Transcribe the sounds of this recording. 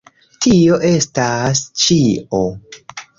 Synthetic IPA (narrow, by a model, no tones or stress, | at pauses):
tʰio̞ʔe̞stast͡ʃio̞